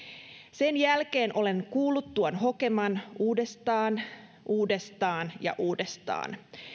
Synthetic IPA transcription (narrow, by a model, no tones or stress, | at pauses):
se̞njælke̞ːnʔo̞le̞ŋkuːlːˑut̪ːuonɦo̞ke̞mɑnuːdest̪ɑːn | ʔuːde̞st̪ɑːnjɑ̰ʔuːdest̪ɑ̰ːn